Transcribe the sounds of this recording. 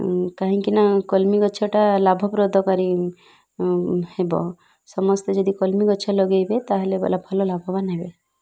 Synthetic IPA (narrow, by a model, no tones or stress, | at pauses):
kaɦĩkinakɔlmiɡɔt͡ʃʰɔʈalabʱɔpɾod̪ʱɔkaɾi | hebɔ̰ | sɔmɔst̪ed͡ʒɔd̪ikɔlmiɡɔt͡ʃʰɔlɔɡejbet̪aɦelebɔ̰labʱɔlɔlabʱɔbanɦebe